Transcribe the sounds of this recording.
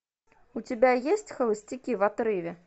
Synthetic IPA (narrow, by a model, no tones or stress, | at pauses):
ut͡sʲabʲajesʲt͡sʲxɐlˠɨsʲt͡sʲikʲivat̪ɾɨvʲɛ